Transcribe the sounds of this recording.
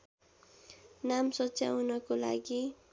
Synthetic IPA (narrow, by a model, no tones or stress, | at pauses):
namsʌt͡sjawnʌkola̰ɡi